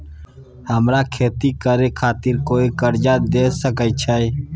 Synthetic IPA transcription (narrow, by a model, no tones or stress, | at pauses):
həmɾakʰeːt̪ikəɾekʰaːt̪ɪɾkoːikəɾd͡ʒad̪eːsəkət͡ʃʰəe